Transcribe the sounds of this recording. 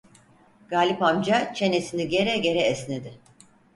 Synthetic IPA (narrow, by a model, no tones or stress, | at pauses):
ɡ̥aːlʲipamd͡ʒat͡ʃʰe̞ne̞siniɟe̞ɾɛɟe̞ɾɛːsned̪ɪ